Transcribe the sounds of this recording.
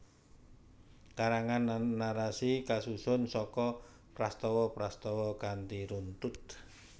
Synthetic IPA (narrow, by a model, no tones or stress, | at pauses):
kaɾaŋanːaɾasikasusʊnsɔkɔ | pɾast̪ɔwɔpɾast̪ɔwɔkant̪iɾunt̪ʊt̪̚